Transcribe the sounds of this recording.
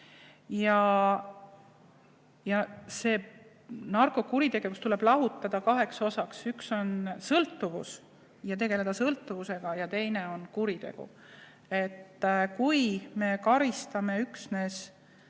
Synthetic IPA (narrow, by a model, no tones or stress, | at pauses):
jɑ | jɑse̞ː | nɑrko̞kuɾit̪e̞ɡ̥e̞vust̪ule̞b̥lɑɦut̪ːˑɑd̪̥ɑkɑɦe̞kso̞sɑksykso̞nsɤlt̪ːˑuvṵs | jɑt̪e̞ɡe̞le̞d̪ɑsɤlt̪ːˑuvuse̞ɡ̥ɑjɑt̪e̞jneo̞nkuɾit̪e̞̰ɡ̥ṵ | e̞t̪ːkujme̞kɑɾist̪ɑme̞yksne̞s